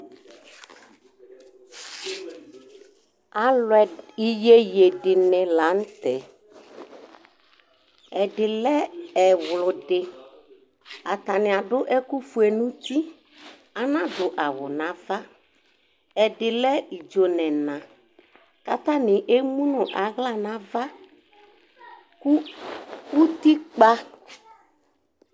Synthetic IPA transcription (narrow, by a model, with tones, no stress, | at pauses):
a˨lɛ˨i˦je˦je˨dɪ˨nɪ̃˨la˨˦n̩˦t̪ɛ˨ | ɛ˨dɪ˨lɛ˦ɛ˨wlʊ˨dɪ˨ | a˨t̪a˨nɪ̃˨a˨dʊ˦ʔɛ˦ku˦fu˨ɛ˨nũ˦t̪i˦ | a˨nã˦dʊ˨ʔa˨wʊ˨nã˨va˦ | ɛ˨dɪ˨lɛ˦i˨d͡ʒo˨nɛ̃˨nã˨ | ka˦t̪a˦nɪ˨ʔe˦mũ˦nʊ̃˨ʔa˨ɣla˦˨nã˨va˦ | ku˦ | u˦t̪i˦k͡pa˦